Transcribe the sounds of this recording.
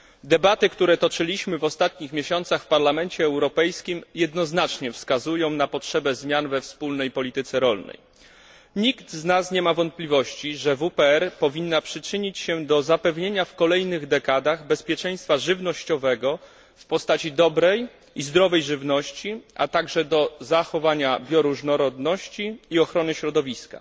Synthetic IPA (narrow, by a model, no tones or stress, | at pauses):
d̪ɛbat̪ɘkt̪uɾɛt̪ɔt͡ʂɘlʲiɕmɘvɔst̪at̪ɲixmʲeɕɔnt̪saxfpaɾlamɛnt͡ɕɛːwɾɔpɛjskʲimjɛd̪nɔznat͡ʂɲɛfskazujɔ̃w̃napɔtʂɛbɛzmʲjanvɛfspulnɛjpɔlʲit̪ɘt̪sɛɾɔlnɛ̰j | ɲiɡt̪znasɲɛmavɔnt̪̚plʲivɔɕt͡ɕiʐɛvupɛɛɾpɔvʲinːapʂɘt͡ʂɘɲit͡ɕɕɛd̪ɔzapɛvɲeɲafkɔlɛjnɘɣd̪ɛkad̪aɣbɛspʲjɛt͡ʂɛ̃j̃st̪faʐɘvnɔɕt͡ɕɔvɛɡɔ | fpɔst̪at͡ɕid̪ɔbɾɛj | izd̪ɾɔvɛjʐɘvnɔɕt͡ɕiʔa̰t̪aɡʐɛd̪ɔzaxɔvaɲabʲjɔɾuʐnɔɾɔd̪nɔɕt͡ɕiːɔxɾɔnɘɕɾɔd̪ɔvʲiska̰